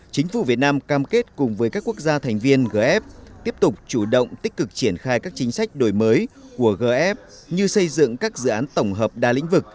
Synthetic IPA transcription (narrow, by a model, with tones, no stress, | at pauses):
t͡ɕï˨˦ŋ̟fu˧˩vi˨˩ət̚naː˧mkaː˧mke˦˥t̚kʊ˨˩ŋ͡mvəː˨˦jkaː˦˥kːu˦˥ək̚zaː˧t̪ʰa˨˩jŋ̟vi˧ənɣəː˧˩ʔɛ˦˥p̚t̪i˦˥əp̚t̪ʊ˨˩k͡p̚t͡ɕu˧˩ɗə̰˧˨wŋ͡mt̪i˦˥k̟̚kɨ˨˩k̚t͡ɕi˧˩ənxaː˧jkaː˦˥k̚t͡ɕï˨˦ŋ̟sa˦˥jk̟̚ɗo˧˩jməː˨˦jku˧˩əɣəː˧˩ʔɛ˦˥p̚ | ɲɨ˧sə˧jzɨ̰˧˨ŋkaː˦˥k̚zɨ̰˧˨ʔaː˨˦nt̪ə˧˩wŋ͡mɦəː˨˩p̚ɗaː˧lḭ˧˥ŋ̟vɨ˨˩k̚